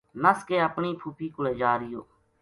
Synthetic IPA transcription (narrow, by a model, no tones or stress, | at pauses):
nəskeːəpɳiːpʰupʰiːkʊleːd͡ʒaːɾɪjo̰ː